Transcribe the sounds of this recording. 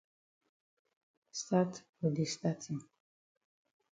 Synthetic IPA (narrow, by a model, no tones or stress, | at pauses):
st̪at̪ʰ | ud̪ist̪at̪ʰim